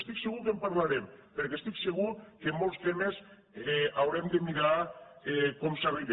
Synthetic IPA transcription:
st̪ikseɣukempaɾlaɾempeɾkest̪ikseɣukemːɔlˠst̪emes | eawɾemd̪emiɾaekɔmsaβiɾ

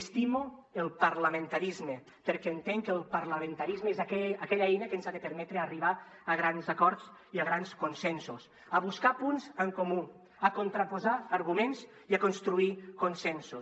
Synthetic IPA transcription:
st̪imuelˠpaɾlamẽnt̪aɾizme | peɾkɛːnt̪eŋkelˠpaɾlamẽnt̪aɾizmeezakɛakɛʎaɛjnakenzaðepeɾmɛt̪ɾeariβ̞a | aɣ̞ɾanzakɔɾt͡siaɣ̞ɾanskonsɛnsus | aβuskapunzəŋkomu | akont̪ɾapozaːɾɣumenz | iakonst̪ɾuikonsɛnsu

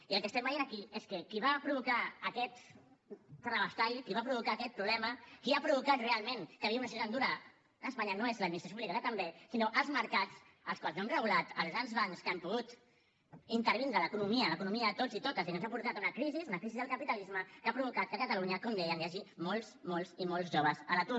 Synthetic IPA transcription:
iəlˠkəst̪ɛmbəjenakieskəkiβ̞apɾuβukaːkɛt̪ | t̪anəβast̪aʎkiβapɾuβukaːkɛt̪̚pɾuβlɛməkiapɾuβukat̪realˠmẽnkəβiaunasiut̪and̪uɾaː | spaɲanoezləd̪minist̪ɾsjpuβlikaðət̪ambesinoʔəlˠzməɾkat͡s | ə̰lˠskwalˠznoamrəɣulat̪əlˠzɣɾanzβanskaɛmpuɣut̪ | int̪əɾβ̞ind̪ɾələkunumiələkunumiəːt̪ozit̪ot̪əzðikənzapuɾt̪at̪unəkɾizizunɐkɾizizðəlˠkəpit̪əlizməkapɾuβukat̪̚kəkət̪əluɲəkɔmd̪ɛjəŋjaʒimolˠzmolˠzimolˠzʒoβ̞əzələt̪u

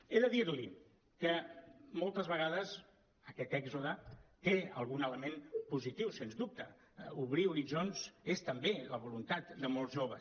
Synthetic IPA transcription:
eðəðiɾli | kəmolˠt̪əzβəɣ̞að̞əz | əkɛt̪ɛɡzuðət̪eə̰lˠɣunələmempuzit̪iwsenzd̪up̚t̪ə | uβ̞ɾiuɾiʒonzest̪əmbeləβ̞ulunt̪at̪d̪əmolˠzʒoβ̞ə

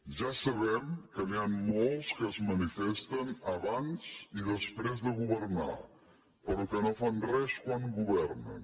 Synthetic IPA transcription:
ʒasəβɛmkəniamːolˠskəːzmənifɛst̪ənəβanziðəspɾɛzðəɣuβəɾna̰ | pəɾukənofanrɛskwaŋɡuβɛɾnə̰n

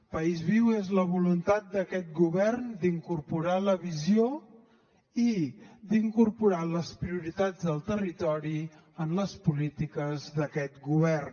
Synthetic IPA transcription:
pəizβiwezləβ̞ulunt̪at̪̚d̪əkɛt̪̚ɡuβɛrnd̪iŋkuɾpuɾaləβizjo | id̪iŋkuɾpuɾaləspɾiuɾit̪ad͡zðəlˠt̪ərit̪ɔɾi | ənləspulit̪ikəzðəkɛt̪ɡuβ̞ɛrn

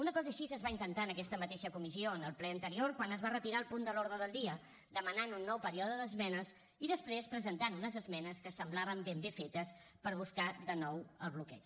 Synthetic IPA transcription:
unəkɔzəːʃizəzβaint̪ənt̪aənəkɛst̪əmət̪eʃəkumizioənəlˠplɛənt̪əɾioɾkwanəzβarət̪iɾaəlˠpund̪əloɾðɾəðəlˠd̪iə | d̪əmənanunːɔwpəɾiɔðəðəzmɛnəz | iðəspɾespɾəzənt̪anləzəzmɛnəskəsəmblaβəmbembefet̪əs | pəɾβ̞uskad̪ənɔwəlˠβlukɛt͡ʃ

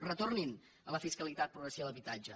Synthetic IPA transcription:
rət̪ornin | ələfiskəlit̪at̪̚pɾuɣɾəsialəβit̪ad͡ʒə

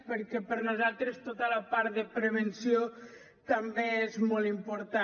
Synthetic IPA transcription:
pəɾkɛpəɾnuzalˠt̪ɾəst̪ot̪ələpaɾt̪d̪əpɾəβənsio | t̪əmbeezmolˠimpoɾt̪a

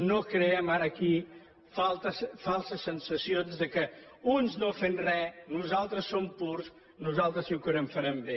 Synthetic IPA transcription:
nokɾəɛmaɾəːki | falˠt̪əsfalˠsəsːənsəsionzðəkə | unznofenrɛnuzalˠt̪ɾəsːompuɾs | nuzalˠt̪ɾəsiukəɾɛmfɐɾɛmbe

